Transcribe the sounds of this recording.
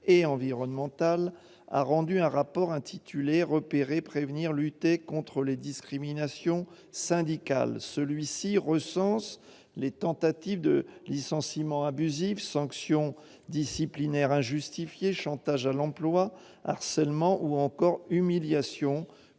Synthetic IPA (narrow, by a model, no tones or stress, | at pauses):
eɑ̃viʁɔnmɑ̃t̪al | a̰ʁɑ̃d̪yɛ̃ʁapɔʁɛ̃t̪ʰit̪ʰyleʁəpeʁepχevniʁlyt̪ekɔ̃t̪χəled̪iskχiminasjɔ̃ | sɛ̃d̪ika̰lsəlɥisiʁəsɑ̃s | let̪ɑ̃t̪at̪ivd̪əlisɑ̃simɑ̃abyzivsɑ̃ksjɔ̃ | d̪isiplinɛʁɛ̃ʒyst̪ifjeʃɑ̃t̪aʒalɑ̃plwa | a̰ʁsɛlmɑ̃ʔuɑ̃kɔʁymiljasjɔ̃